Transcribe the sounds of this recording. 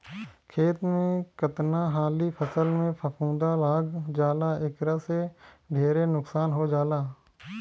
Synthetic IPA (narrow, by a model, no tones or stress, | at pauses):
kʰeːt̪mẽkət̪naɦaːlipʰəsəlmẽpʰəpʰũːd̪alaːɡd͡ʒaːlaɪkɾase | ɖʱeːɾenʊksaːnɦod͡ʒaːlaː